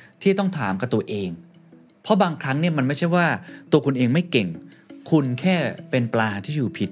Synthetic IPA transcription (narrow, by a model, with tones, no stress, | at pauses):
t̪ʰiː˥˩t̪ɔ˥˩ŋt̪ʰaː˩˦mka˧˩t̪u˧ɐʔeː˧ŋ | pʰɔ˦˥baː˧ŋkʰɾa˦˥ŋni˥˩ɐma˧nma˥˩jt͡ɕʰa˥˩jwaː˥˩t̪u˧əkʰu˧nʔeː˧ŋma˥˩jke˨˩ŋkʰu˧nkʰɛː˥˩pe˧nplaː˧t̪ʰiː˥˩juː˨˩pʰi˨˩t̪̚